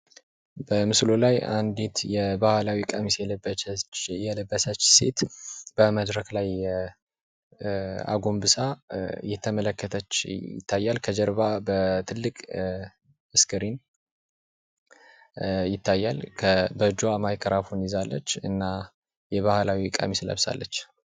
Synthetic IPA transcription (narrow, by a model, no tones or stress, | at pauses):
bəmɨslo̞laja̰nd̪et̪jɛbahlawikʼəmisjɛlb | jɛləbːəsət͡ʃːse̞̰t̪bəməd̪ɾəklaj | a̰ɡo̞mbɨsajɛt̪ʰːəmələkːət̪ʰət͡ʃːjɪ̰t̪ʰːajːalkʰəd͡ʒəɾbabət̪ʰɨlːɨkʼ | ɨskʰɨɾin | jɪt̪ʰːajːalkʰəbəd͡ʒoamajkʼəɾafunizalːə̰t͡ʃːɨnːa | jɛβahlawikʼə̰mislə̰βsa̰lːə̰t͡ʃː